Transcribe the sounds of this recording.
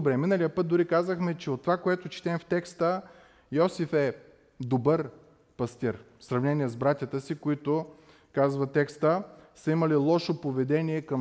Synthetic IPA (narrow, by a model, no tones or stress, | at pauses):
obɾɛminəlijəpɤt̪̚d̪ʊɾikazəxmɛt͡ʃɛot̪ːovakoɛt̪ʊt͡ʃi̥t̪ɛmft̪ɛkst̪ə | jɔsifɛ | d̪obəɾ | pɐst̪iɾ | sɾɐvnɛniɛzbɾat̪ʲjət̪əsikoit̪ʊ | kazvɐt̪ɛkst̪əsɐiməlilˠɔʃopovɛd̪ɛniɛkɐm